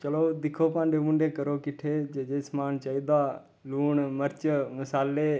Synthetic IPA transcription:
t͡ʃəloːd̪ɪkʰoːpãːɳɖeːmʊ̃ɳɖeːkəɾoːkɪʈʰeːd͡ʒed͡ʒeːsmaːnt͡ʃaːiːd̪aː | luːɳməɾt͡ʃəməsaːleː

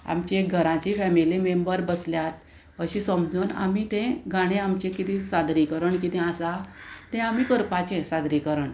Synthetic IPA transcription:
a̰mt͡ɕiek̚ɡʱəɾãt͡ɕifɛmilimembəɾbəsljat̪̚ | əɕĩsəmd͡zuːna̰mit̪ɛ̃ɡaɽ̃ẽamt͡ɕẽkit̪ĩsad̪ɾikəɾəɳkit̪ɛ̃asat̪ɛ̃am̤iːkəɾpat͡ɕẽsad̪ɾikəɾəɳ

